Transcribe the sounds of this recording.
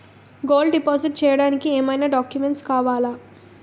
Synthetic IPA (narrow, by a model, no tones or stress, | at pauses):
ɡoːlɖipaːsiʈ̚t͡ʃɛːjɐɽaːnikieːmɐjnaːɖaːkjumeɳʈskaːʋaːlaː